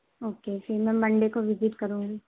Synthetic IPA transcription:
oːkefʰɪɾmɛ̃ːmɐ̃ɳɖekoʋɪzɪʈkɐɾũːŋɡiː

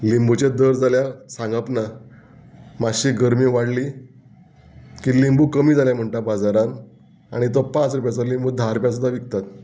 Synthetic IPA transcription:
limbut͡ɕed̪əɾd͡zaljasãŋɡapna | maɕiːɡəɾmiːʋaɽliː | kilimbuːkəmiːd͡zaljam̤əɳʈabad͡zaɾãn | a̰ɽ̃it̪̬ɔpãt͡sɾup̬jat͡salimbud̪ʱaɾup̬jas̬ud̪ʱaʋik̚t̪at̪

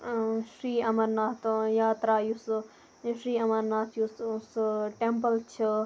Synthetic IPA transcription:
ʃɾiːɐmɐɾnaːt̪jaːt̪ɾaːjus | ʃɾiːɐmɐɾnaːt̪ʰjussʈempəlt͡ʃʰi

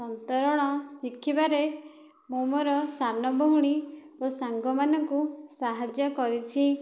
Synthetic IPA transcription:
sɔnt̪ɔɾɔɽ̃ɔsikʰːibaɾe | mumoɾɔsanɔbʱɔɦuɽ̃i | osaŋɡɔmanɔŋkusaɦad͡ʒjɔkɔɾit͡ʃʰi

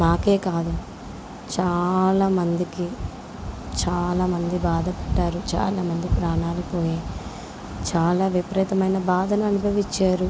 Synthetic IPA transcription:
naːke̞ːkaːd̪u | t͡ʃaːlaːmɐnd̪iki | t͡ʃaːlaːmɐnd̪ibaːd̪ʱɐpɐʈːaːɾut͡ʃa̰ːlaːmɐnd̪ipɾaːnaːlipo̞ːji | t͡ʃaːlaːʋipɾɛːt̪ɐmɐjnɐbaːd̪ʱɐnuɐnubʱɐʋit͡ʃːaːɾu

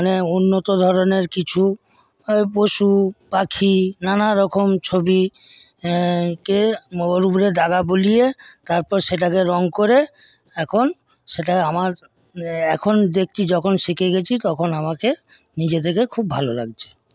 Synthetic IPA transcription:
neunːot̪od̪ʱɔɾoneɾkit͡ɕʰu | poʃupakʰinanaɾɔkʰomt͡ɕʰobi | keoɾubɾed̪aɡabolijet̪aɾpɔɾʃeʈ̬akeɾɔŋkoɾe | ɛkʰon | ʃeʈaamaɾ | ɛkʰond̪ek̚ʰt͡ɕʰid͡ʑɔkʰonʃikeɡet͡ɕʰit̪ɔkʰonamake | nid͡ʑet̪ʰekekʰubːʱalola̰ɡt͡ɕʰe̥

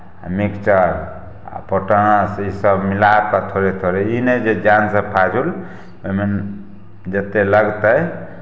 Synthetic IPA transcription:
a̰mikt͡ʃəɾ | a̰pəʈəsisəbmilat̪̚pat̪ʰoɾet̪ʰoɾeined͡ʒed͡ʒansəbpʰad͡ʒul | oimen | d͡ʒət̪eləɡt̪əj

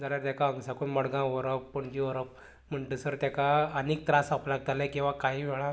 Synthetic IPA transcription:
d͡zaljaɾt̪akaəŋsakoɳməɽɡãʋəɾəppəɳd͡ʑiʋəɾəp̚ | m̤əɳʈesəɾt̪akaənik̚t̪ɾãsaplaɡ̚t̪alajkĩw̃ʋakaɦiːʋɛɭa

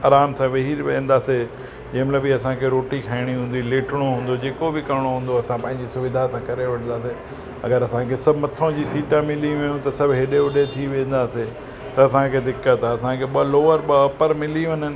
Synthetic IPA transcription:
aːɾaːmsãʋeɦiːɾʋẽːn̆d̪aːse | d͡ʑɐ̃ːɪ̃mɪləbiɐsãkʰeɾoːʈikʰaːɪɽ̃iɦũːnd̪ileːʈʰɪɽ̃oɦũːn̆d̪od͡ʑeːkobɪkɐɽ̃oɦũːn̆d̪oɐsãpɐ̃ːɦɪ̃ɲd͡ʑisʊʋɪd̪ʱasãkɐɾeʋɐʈʰnd̪aːse | ɐ̰ɡəɾɐsãkʰesɐbʱmɐt̪ʰõd͡ʑisiːʈãmɪliʋɐ̃jũt̪ɐsɐbʱɦeɗeʊɗet̪ʰiʋẽːnd̪aːse | t̪ɐɐsãkʰeːd̪ɪkːət̪ʰaɐsãkʰeːɓɐloːʋəɾɓɐɐpəɾmɪliʋɐnənɪ

